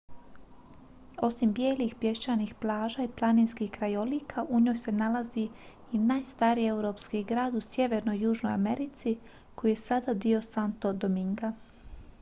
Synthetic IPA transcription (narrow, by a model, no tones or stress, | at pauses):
o̞simbjeːlixpje̞ʃt͡ʃanixplˠaːʒaiplˠaniːnskixkɾajoliːkʰaʔuɲo̞ːjse̞nalazi | inaːjst̪aɾije̞wɾo̞pskiɡɾaːd̪usje̞ʋe̞ɾno̞jːuːʒno̞ja̰me̞ɾit̪si | ko̞jije̞sad̪ad̪io̞sant̪o̞d̪omiŋɡa